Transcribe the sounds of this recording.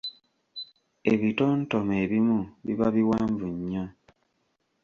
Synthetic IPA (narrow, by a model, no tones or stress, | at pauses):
eβitoːntomeːβimuβḭβaβiwaːɱvuɲːo